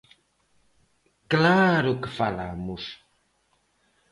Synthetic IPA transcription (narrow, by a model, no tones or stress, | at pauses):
klaɾokə̥falamus